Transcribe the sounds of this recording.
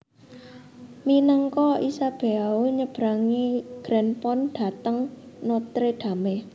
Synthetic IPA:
minəŋkɔisab̥e̤awuɲəb̥ɾaŋiɡ̥ɾɛnpɔnɖ̪̥a̤t̪əŋnot̪ɾeɖ̪̥a̤me

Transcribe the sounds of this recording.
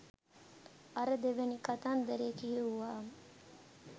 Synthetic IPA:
ɐɾəd̪eʋenikat̪and̪əɾekijəuʋaːmə

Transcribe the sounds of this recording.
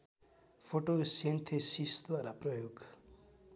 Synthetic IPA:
pʰoʈosent̪ʰesist̪aɾaprʌjoɡ

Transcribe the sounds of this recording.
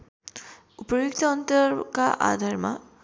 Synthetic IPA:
upəjukt̪aːnt̪əɾkaʔa̰ːd̪ʱaɾma̰

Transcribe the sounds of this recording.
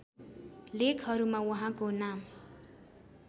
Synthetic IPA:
lekʰɦʌɾumawʌɦãkonam

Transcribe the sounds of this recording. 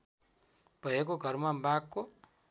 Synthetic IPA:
bʌɦekoɡʱʌɾmabakːo

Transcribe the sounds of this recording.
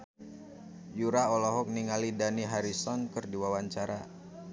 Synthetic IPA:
juɾaɔlɔɦɔk̚niŋalidaniɦaɾisɔnkɨrdiwawaɲt͡ʃaɾa

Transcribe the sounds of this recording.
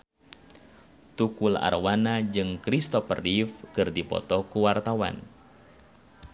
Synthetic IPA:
t̪ukula̰rwanad͡ʒɨŋkɾist̪ɔpərifkɨrdipɔ̰t̪ɔkuwart̪awa̰n

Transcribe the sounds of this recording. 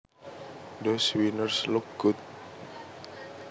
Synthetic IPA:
doswinərslʊk̚ɡ̥ut̪̚

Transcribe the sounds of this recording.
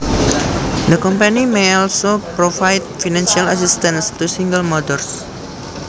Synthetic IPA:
d̪əkɔmpanimeɔlsopɾofajt̪̚finãnʃialas̬ist̪ãnst̪usiŋɡəlmɔdɔrs

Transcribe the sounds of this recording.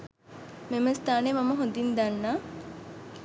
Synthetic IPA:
meməst̪aːnemaməɦond̪ind̪anːaː

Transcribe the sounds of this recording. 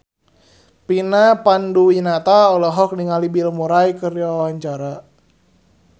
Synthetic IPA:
pinapanduwinat̪aɔlɔɦɔk̚niŋalibilmuɾajkərdiwawaɲt͡ʃaɾa

